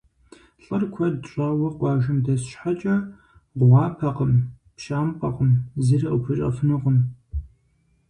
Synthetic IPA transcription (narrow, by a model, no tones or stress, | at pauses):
ɬʼɨrkʷʰɐdɕʷʼɐwɐqʷɑːʒɨmdɐsɕħat͡ʃʼɐ | ʁʷɑːpʰɐqəm | pʃaːmqʼɐqəmzirɐʔʊpʰɨɕʼɐ̰fɨnɨqəm